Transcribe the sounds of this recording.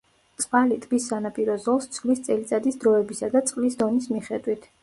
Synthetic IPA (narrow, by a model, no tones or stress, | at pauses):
t̪sʼqʼalit̪ʼbisːanapʼiɾɔzɔlˠst̪sʼʰχlist̪sʼɛlit̪sʼad̪isd̪ɾɔɛbisad̪at̪sʼqʼlisd̪ɔnismiχɛd̪wit̪ʰ